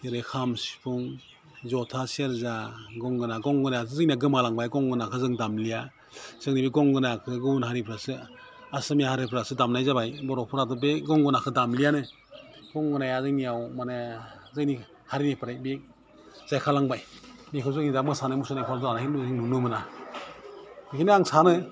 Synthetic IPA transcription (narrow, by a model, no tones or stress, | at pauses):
eɾɯkʰamsi̥pʰuŋ | zɔtʰasieɾzaɡɔŋɡɯnaɡɔŋɡɯnajas̬ʰɯzɯŋniaɡɯmalaŋbajɡɔŋɡɯnakʰɯzɯŋdamlija | z̥ɯŋnibiɡɔŋɡɯnakʰɯɡɯunɦaɾipʰɾasɯ | asɯmijahaɾipʰɯɾasɯdamnajzabajbɔɾɔpʰɯɾadɔbeɡɔŋɡɔnakʰɯdamlijanɯ | ɡ̥ɔŋɡɯnajazɯŋnijawmanazɯŋni | haɾinipʰɾajbek̚ | z̥ajkʰalaŋbajmikʰɯzɯŋnidamɡɯsanamusɯnajpʰazaanahinuzɯŋnunɯmɯna | ikʰiniaŋsanɯ